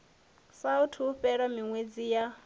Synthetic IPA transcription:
sautʰuɸɛɺamiŋwed͡zija

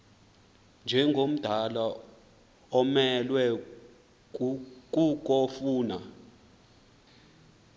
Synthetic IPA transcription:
nd͡ʒʱɛŋɡʱom̩d̥ʱala | ɔmɛlwɛ | k̬ʼukʼɔfuːna

